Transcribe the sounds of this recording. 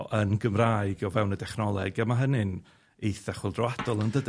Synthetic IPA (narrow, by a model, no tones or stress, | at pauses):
ʔənɡəmraːɨɡɔvɛwnədɛχnɔlˠɛɡamaɦənɨn | ejθɛχʊlˠdrɔwad̥ɔlˠəndəd